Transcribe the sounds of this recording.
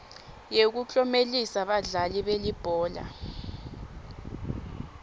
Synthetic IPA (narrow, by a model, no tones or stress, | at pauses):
jek̬ut͡ɬʼɔmelisaɓaɮaliɓelib̥ʱɔːla̰